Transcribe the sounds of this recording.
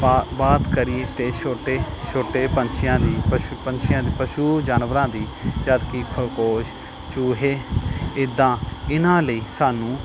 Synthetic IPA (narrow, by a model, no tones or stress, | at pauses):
baːt̪kəɾieːt̪eːʃʰoːʈeːt͡ʃʰoːʈeːpəɲt͡ʃʰɪjãːd̪iːpəʃpəɲt͡ʃʰɪjãːd̪iːpəʃuːd͡ʒaːnʋəɾãːd̪iːd͡ʒaːd̪kiːkʰʊɾkoːʃ | t͡ʃuːɦeːɪd̪ãːɪnãːləiːsaːnũː